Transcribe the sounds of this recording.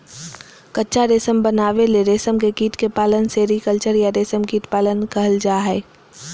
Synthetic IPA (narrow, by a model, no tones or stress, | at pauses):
kətːʃʰaɾeːsəmbənaːʋeleɾeːsəmkekiːʈkepaːlənseːɾikəlt͡ʃəɾjaɾeːsəmkiːʈpaːlənkɐɦəld͡ʒaːɦɛː